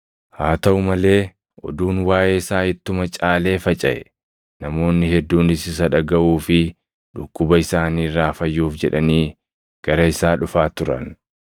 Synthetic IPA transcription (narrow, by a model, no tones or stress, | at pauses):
haːt̪ɐʔʊmɐle̞ː | ʔɔ̰d̪uːnwaːjʔeːɪsaːhɪt̪ːʊmɐt͡ʃʼaːle̞ːfɐt͡ʃʼɐʔɛ̰ | nɐmo̞ːnːɪhɛd̪ːuːnɪsɪsɐᶑɐɡɐʔuːfɪ | ᶑʊkːʊbɐɪsaːniːrːaːfɐjːuːfd͡ʒɛᶑɐniː | ɡ̥ɐɾɐɪsaːᶑʊfaːt̪ʊɾɐ̰n